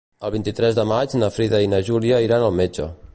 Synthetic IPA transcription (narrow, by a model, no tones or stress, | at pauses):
əlˠβ̞int̪it̪ɾɛzðəmad͡ʒnəfɾiðəinəʒuliəiɾanəlˠmed͡ʒə̰